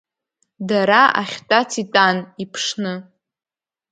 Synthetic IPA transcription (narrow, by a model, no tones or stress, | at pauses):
daɾaa̰χʲtʼat͡sʰitʼanipʰʂnɨ